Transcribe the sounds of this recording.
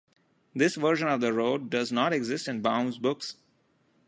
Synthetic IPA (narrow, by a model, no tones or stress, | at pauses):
d̪ɪsʋəɾʃə̃nɔʋd̪əɾoːɖ̚ːʌznɔːʈeɡzɪsʈɪ̃nbãʊ̃nzbʊks